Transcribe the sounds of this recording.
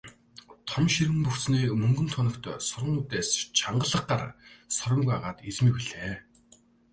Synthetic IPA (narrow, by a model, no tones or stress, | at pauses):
t̪ʰɔmʃirɣɘ̆mpɵxt͡sniːmɵŋɡɵ̆nt̪ʰʊnɞ̆kt̪ːsʊɾə̆ŋuːt̪eːst͡ɕʰaɴɢə̆ɮə̆q̚ɢar̰sɔɾə̆ŋɡujaʁaːt̪it͡smiːkiɮeː